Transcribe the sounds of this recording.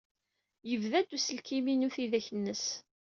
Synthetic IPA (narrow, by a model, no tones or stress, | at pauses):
jəvðæd̪usəlkiminuθiðæçənːəs